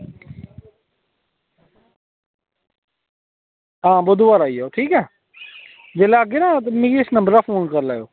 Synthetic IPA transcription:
ɦãːbʊd̪ʊʋaːɾaːiːoːʈʰiːkɛː | d͡ʒeːlaːɡenaːt̪mẽːɡiɪsnəmbəɾaːfʰoːnkəɾlaːjoː

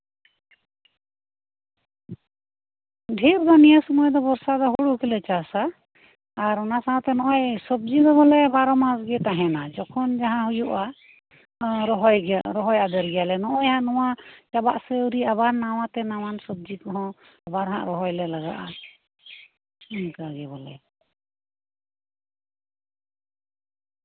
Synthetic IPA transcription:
ɖʱiɾd̪ɔnijasɔmɔjd̪ɔbɔɾsad̪ɔɦuɽukʰilɛt͡ʃasaː | ɾɔnasaɦɔ̃t̪ɛnɔʔɔjsɔb̚d͡ʒid̪ɔbɔlɛbaɾɔmãsɡɛt̪aɦɛ̃nad͡ʒɔkʰɔnd͡ʒaɦãɦujuʔa | ɾɔɦɔjɡaɾɔɦɔjad̪əɾɡɛjalɛnɔʔɔjhãʔnɔwat͡ʃabaʔsɛuɾiabaɾnawãt̪ɛnawansɔb̚d͡ʒikɔɦɔ̃ | abaɾɦã̰ʔɾɔɦɔjlɛlaɡa̰ʔa | inkaɡɛbɔlɛ̰

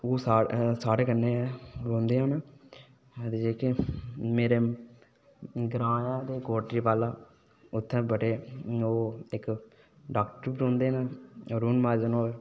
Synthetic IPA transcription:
oːsaːsaːɽeːkənːeːɾõːnd̪eːãːne | t̪ed͡ʒeːkimeːɾeː | ɡɾaːjãːd̪eːkoːʈɾiːpaːlaː | ʊt̪ʰːɛ̃ːbəʈeːoːɪk | ɖaːkʈəɾbɾõːnd̪eːneoːɾuːnmaːd͡ʒnoː

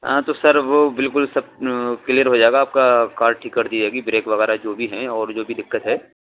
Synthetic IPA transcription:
ɦãt̪osɐɾʋobɪlkʊlsɐb̚klijəɾɦod͡ʒaːeːɡaːp̚kakaːɾʈ̚ʈʰiːkːɐɾd̪id͡ʒaːɡibɾeːkʋɐɣɛːɾad͡ʒoːbʱiɦɛ̃ɔːɾd͡ʒoːbʱid̪ɪkːət̪ɦɛː

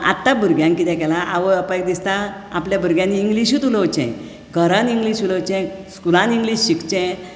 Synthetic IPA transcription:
a̰t̪ːabʱuɾɡjãŋkit̪ɛ̃kɛlaʔaʋəəpəjk̚d̪ist̪a | apljabʱuɾɡjãnːiːŋɡliɕut̪uləʋt͡ɕɛ̰̃ | ɡʱəɾãniŋɡliːɕulət͡ɕɛ̃skulãniŋɡliːɕɕikt͡ɕɛ̃

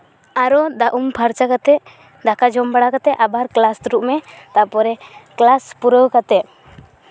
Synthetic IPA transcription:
aɾɔd̪aʔumpʰaɾt͡ʃakat̪ɛʔ | d̪akad͡ʒɔmbaɽakat̪ɛʔabaɾklast̪uɾuʔmɛt̪apɔɾɛklaspuɾəwkat̪ɛʔ̚

